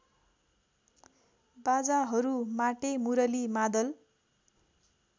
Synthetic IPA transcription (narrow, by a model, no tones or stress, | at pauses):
bad͡zaɦʌɾumaʈemuɾʌlimad̪ʌl